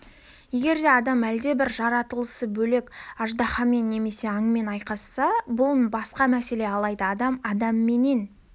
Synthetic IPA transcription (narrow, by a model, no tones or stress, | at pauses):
je̞ɡʲe̞ɾd̪e̞ɑd̪ɑmæld̪e̞bɪɾʒɑɾɑt̪əlˠəsəbɵle̞kɑʒd̪ɑχɑme̞nːe̞me̞se̞ɑɴme̞nɑjqɑsːɑbʊlˠbɑsqɑmæse̞le̞ɑlˠɑjd̪əɑd̪ɑmɑd̪ɑmːe̞ne̞n